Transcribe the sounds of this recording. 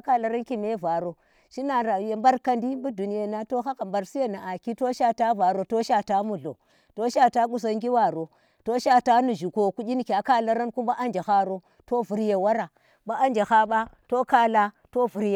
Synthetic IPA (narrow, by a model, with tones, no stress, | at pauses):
a˦ka˦la˨ɾa˦nki˦me˦va˨ɾo˨ | ʃi˦na˨ɾa˨je˨mba˦ɾka˦ndi˦bu˦du˨ni˦ja˦na˦to˦xa˦ka˨mba˨ɾsi˦ja˦na˨a˨ki˦to˦ʃa˦ta˦va˨ɾo˨to˦ʃa˦ta˦mu˦˨ɮo̰˨ | to˦ʃa˦ta˦ku˨s̬a˨ŋɡi˦wa˨ɾo˨ | to˦ʃa˦ta˦nu˨ʒu˨ko˨ku˦d͡ʒi˦n˨kʲa˨ka˦la˦ɾa˦nku˦mba˦ʔa˦nd͡ʒa˨xa˦ɾo˦ | to˦vu˨ɾje˨wa˦ɾa˨ | ba˦ʔa˦nd͡ʒa˨ha˦ɓa˦to˦ka˦la˦to˦vu˨ɾje˦